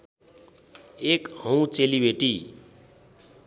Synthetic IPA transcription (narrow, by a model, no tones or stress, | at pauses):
ekhʌ̃w̃t͡selibeʈi